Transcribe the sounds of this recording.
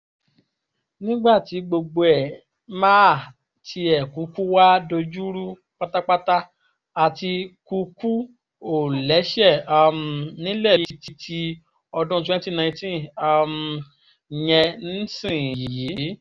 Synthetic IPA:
nĩ˦ɡ͡ba˦˨ti˨˦ɡ͡bo˧ɡ͡bo˧ɛ˨ | ma˦˨ | tʰi˧ɛ˨ku˨˦ku˦wa˦do˧d͡ʒu˦ɾu˦ | k͡pa˦ta˦k͡pa˦ta˦ | a˨ti˧ku˧ku˦ | o˦˨lɛ˨˦ʃɛ˦˨a˧˨mnĩ˦lɛ˦˨˧i˧ti˧tʰi˧ | ɔ˧dũ˦t̬u˧ɛ̃˦ni˦tĩ˦˨nã˧ĩ˧tĩ˦˨a˧m | jɛ˧ñ̩˦sĩ˦˨ji˨ji˨˦˨

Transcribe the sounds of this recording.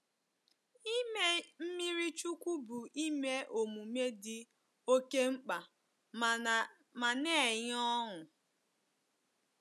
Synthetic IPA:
i˦me˦m̩˦mi˦ɾi˦t͡ʃu˦kʷu˦bu˨i˦me˦ʔo˨mu˨me˦dɪ˦ | o˦ke˦ŋ͡m̩˦k͡pa˨ | ma˨ne˦˨ɲ˦ɔ˦ɦʊ˨

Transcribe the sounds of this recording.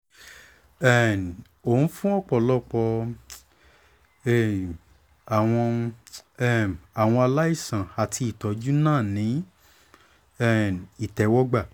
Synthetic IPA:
ɛ˦˨ | o˨ũ˦fũ˦ɔ˦˨k͡pɔ˨lɔ˦k͡pɔ˧ | ɛ˦˨ | a˨w̃ɔ̃˧ | ɛ˦˨a˨w̃ɔ̃˧a˧la˦i˦˨sã˨a˨ti˧i˨tɔ˨˦d͡ʒu˦nãː˦˨nĩ˨˦ | ɛ˦˨i˨tɛ˨˦wɔ˦ɡ͡ba˦˨

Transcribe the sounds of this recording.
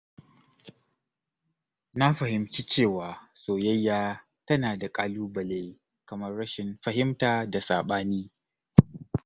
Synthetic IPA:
na˦ɸɐ˨hɪ˨mt͡ʃiː˦t͡ʃeː˦˨waː˨soː˨jɐ˦jːaː˦ | tɐ˦naː˨da˨kʼaː˦luː˦bɐ˨le˦ | kɐ˨mɐ˦rɽɐ˦ʃɪ˨nɸɐ˨ɦɪ˦mtaː˨da˨saː˨ɓaː˦niː˦

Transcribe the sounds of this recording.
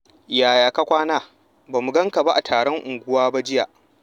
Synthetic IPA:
jaː˨jaː˨ka˦kʷaː˦naː˦ | baː˨mu˨ɡɐ˦ŋka˨ba˦ʔa˨tʰaː˨ɽɔ˦ŋʔʊ˨ŋɡʷʊ˦waː˦ba˦d͡ʒɪ˦ja̰ː˨ʔ

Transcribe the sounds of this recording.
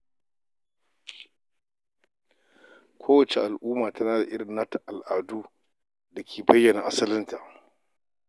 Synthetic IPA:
kʷʰoː˦wɐ˨t͡ʃe˨ʔa˨lʔuː˦maː˨ta˦naː˦da˨ʔɪ˦ɽɪ˨nːa˦ta˨ʔa˨lʔaː˨duː˦ | da˨kʲʰeː˨bɐ˦jːɐ˨naː˨ʔa˦sɐ˦lɪ˦nta˨ʔ

